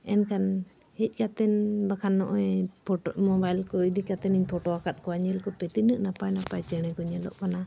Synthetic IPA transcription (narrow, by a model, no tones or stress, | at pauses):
ɛnkan | hɛc̚ˀkat̪ɛnbakʰanːɔʔɔɛpʰmɔbajlkɔid̪ikat̪ɛniɲpʰɔʈɔakat̪̚kɔaɲɛlkɔpɛt̪inɨʔnapajnapajt͡ʃɛɽ̃ɛkɔɲɛlɔ̰ʔpana